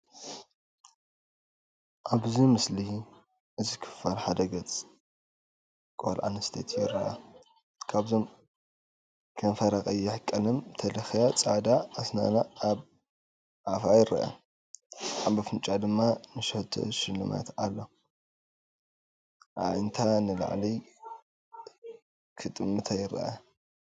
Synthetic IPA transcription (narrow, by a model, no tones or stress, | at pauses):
ʔaβzimɨsli | ʔɨzikʰɨ̥fɐlħad̪ɐɡɐt͡sʼ | kʼo̰lʕa̰nɐst̪ʰet̪ʰjɪɾɐʔɐ̰ | kʰaβzo̞m | kʰɐnfɐɾɐkʼɐjːɛħɨkʼːɐlɨmt̪ʰɐlɐxjat͡sʼad̪aɐsna̰naːβ | ʕafajɪɾʔɐ̰ʔa̰ | ʔambɐfɨnt͡ʃʼad̪ɨmːanɨʃɐht̪ʰo̰ʃɪlːɨma̰t̪ʰalːo̞ | ʔa̰βɨnt̪ʰanɨla̰ʕli | kʰɨt̪ʼɨmɨt̪ʰajɪɾɐ̰ʔa̰